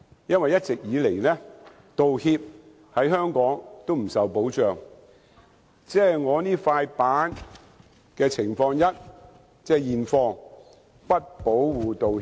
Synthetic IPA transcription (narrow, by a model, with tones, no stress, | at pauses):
jɐ˥nwɐ˨jɐ˥t̚t͡sɪ˨k̚jiː˨˧le˨˩jlɛː˥ | t̪o˨whiː˧p̚ | hɐ˨˥jɦœː˥ŋkɔː˨˥ŋt̪o˥wm̩˨˩sɐ˨wpo˨˥wt͡ʃœː˨ŋ | t͡sɛː˥˨jŋɔː˨˧niː˥faː˧jpaː˨˥n | kɛː˧t͡sʰɪ˨˩ŋfɔː˧ŋjɐ˥t̚ | t͡sɛː˥˩jiː˨nfɔː˧ŋ | pɐ˥t̚po˨˥wwuː˨t̪o˨